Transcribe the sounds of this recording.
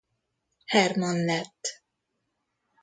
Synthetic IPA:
hɛrmɒnlɛt̪ː

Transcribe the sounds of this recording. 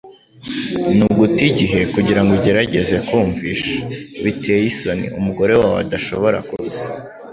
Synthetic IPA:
nuɡutiɟiɦe̞kuɟiɾaŋɡoɟe̞ɾaɟe̞ze̞kuːɱviʃḁβitʰe̞ːjiso̞nḭumuɡo̞ɾe̞wawa̰daʃo̞βo̞ɾa̰kuz̥a

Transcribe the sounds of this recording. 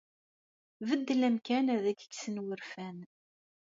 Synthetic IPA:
vəd̪ːlæmkænæðækːə̥ɡsənwəɾfæn

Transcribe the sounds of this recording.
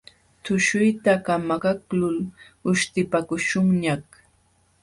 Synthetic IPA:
t̪ʊʃʊjt̪akamaɢaklʊl | ʊʃt̪ɪpakʊʃʊŋɲak

